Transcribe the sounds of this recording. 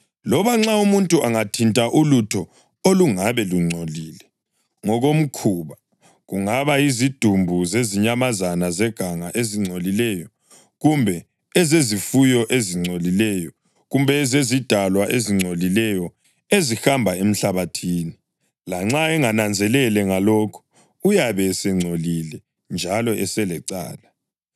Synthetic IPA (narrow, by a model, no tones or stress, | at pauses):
lɔβaŋ͡ǁaumuntʼuʔaŋatʰintʼaʔulutʰɔ | oluŋaβɛluŋ͡ǀʱoliːlɛ | ŋɔɣom̩kʰuːβa | ɣuŋaβaizid̥ʱumbʱuzeziɲamazanazɛɡ̥ʱaŋaʔeziŋ͡ǀʱolilɛjɔ | ɣumbʱɛ | ɛzezifujɔʔeziŋ͡ǀʱolilɛjɔ | ɣumbʱɛzezid̥ʱalwaʔeziŋ͡ǀʱolilɛjɔ | ezixambʱaem̩ɬaβatʰiːni | laŋ͡ǁaɛŋanand͡zʱɛlɛlɛŋalɔːkʰu̥ | ujaβɛsɛŋ͡ǀʱolilɛ | nd͡ʒʱalɔʔɛsɛlɛǀa̰ːla